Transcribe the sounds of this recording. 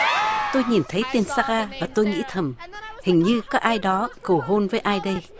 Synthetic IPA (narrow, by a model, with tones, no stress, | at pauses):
t̪o˧jɲi˨˩nt̪ʰə˨˦jt̪e˧nsaː˧ɣaː˧vaː˨˩t̪o˧jŋḭ˧˥t̪ʰə˨˩mhï˨˩ŋ̟ɲɨ˧kɔː˨˦˥k̚ʔaː˧jɗɔ˨˦kə˨˩wɦo˧nvəː˨˦jʔaː˧jɗə˧j